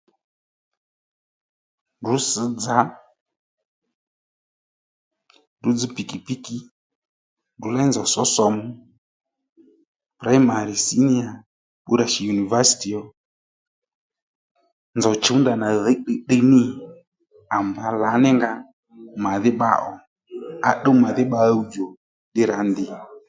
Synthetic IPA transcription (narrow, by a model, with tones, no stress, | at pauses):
ndu˨˦sə˨˦d͡za˨˦ | ndu˨˦d͡zi˧˦pi˨ki˨pi˦ki˨ | ndu˨˦la˦nd͡zɔ˨sɔ˦sɔ˧mu˦ | pɾa˦i˦ma˨ɾi˨si˦ni˦a˨ | ɓu˦ɾa˨ʃi˨ju˨ni˨va˦si̥˨ti˨ɔ˨ | nd͡zɔ˨t͡ʃu˨˦nda˨na˨ðɛ˨˦ɗe˧ɗe˦˧nɪ˦˨ | a˨m˨ba˨˦la˨˦nɪ˦ŋɡa˧ | ma˨ðɪ˦ɓa̰˧˦ʔɔ˨ | a˨˦ɗo˦ma˨ðɪ˦ɓa˧˦u˦d͡ʒo˨ | ɗɪ˦ɾa˨˦ndɪ˨